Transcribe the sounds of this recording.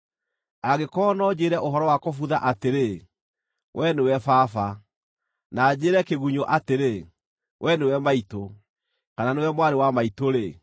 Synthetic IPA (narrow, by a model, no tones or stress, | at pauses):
aɣekɔnɔd͡ʑeɾɛʔoɦɔɾɔwakofuðaʔateɾe | wʔɛnewɛfaːfa | nad͡ʑeːɾɛkeɣuɲoʔateɾe | wʔɛnewɛmaito | kananewɛmwaɾewamaitoɾe